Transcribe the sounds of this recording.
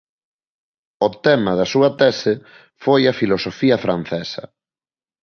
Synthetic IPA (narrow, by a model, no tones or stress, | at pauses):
ot̪ɛmɐðɐsuɐt̪ɛsɪ | fojɐfilosofiɐfɾan̟θɛsɐ̰